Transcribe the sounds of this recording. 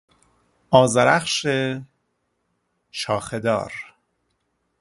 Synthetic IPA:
ɒːzæɾæχʃe | ʃɒːxed̪ɒ̰ːɾ

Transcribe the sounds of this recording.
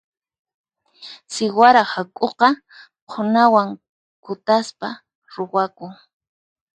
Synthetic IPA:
sɪwaɾahakʼoqɑ | qʰʊnawaŋ | kʊt̪aspa | ɾowakʊŋ

